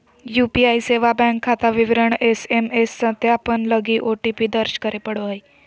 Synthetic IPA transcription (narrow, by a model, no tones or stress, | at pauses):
jupiaiseʋabɛ̃ŋkʰːat̪aʋiʋɾəɳesemesːə̃t̪eaapəɳləɡiːʔoʈipiːd̪əɾɕkəɾepəɽoɦəj